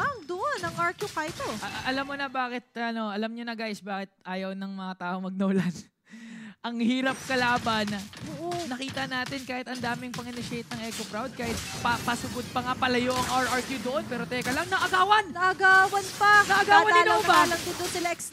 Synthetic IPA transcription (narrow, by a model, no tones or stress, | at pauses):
ɐŋd̪oʔonɐŋɐɹkjukajt̪oʔɐlamːonɐbaːkɪt̪̚ɐno̞ɐlɐmɲonɐɡajsbaːkɪt̪̚ʔaːjɐwnɐŋmɐŋat̪aːʔoŋmɐɡ̚nɐʊlan | ʔɐŋhiːɾɐp̚kɐlaːbɐnɐoːʔonɐkiːt̪ɐnaːt̪ɪnkaːhɪt̪ɐnd̪aːmɪŋpɐŋɪnɪʃejt̪̚nɐŋʔɛkopɾawd̪̚kaːhɪt̪̚pɐpɐsʊɡod̪̚pɐŋapɐlɐjoʔɐŋʔaɹʔɐɹkjud̪oʔo̞npɛːɾo̞t̪ɛkɐlɐŋnɐʔɐɡaːwɐnnɐʔɐɡaːwɐnpɐnɐʔɐɡaːwɐnɪɐbaalɐŋd̪ɪnd̪ʊnsɪlɐɛks